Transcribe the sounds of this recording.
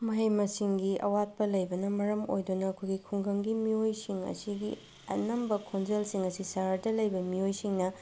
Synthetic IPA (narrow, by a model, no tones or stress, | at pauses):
mɐɦɐjmɐsiŋɡiʔɐ̰wat̚pɐlɐjbɐnɐmɐɾɐmo̰jdunɐːkʰojɡikʰuŋɡɐŋɡimiojsiŋɐ̰siɡi | ɐ̰nɐmbɐkʰonzelsiŋɐsisaɾadɐlɐjbɐmiojsiŋnɐ